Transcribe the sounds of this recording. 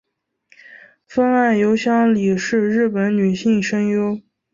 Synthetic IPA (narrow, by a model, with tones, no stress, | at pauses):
fə˥ŋa˥˩njo˧˥ʊɕjɑ˥ŋli˨˩ʂɻ̩˥˧ɻɻ̩˥˩pə˧˥nny˨˩ɕi˥˩ŋʂə˥ŋjo˥ʊ